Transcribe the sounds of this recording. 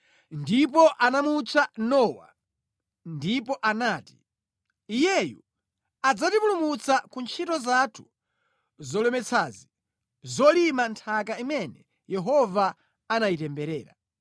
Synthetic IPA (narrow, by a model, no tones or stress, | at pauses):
ndip̬ɔʔanamut͡ʃʰanɔːwa̰ | ndipɔʔanaːti̥ | ijɛjṵ | ad͡zatipulumut͡sakunt͡ʃʰitɔzatʰu̥ | zɔlɛmɛt͡sʰaːzi | zɔlimantʰakaimɛnɛ | jɛɦɔva | anajitɛmbɛɾɛːɾa̰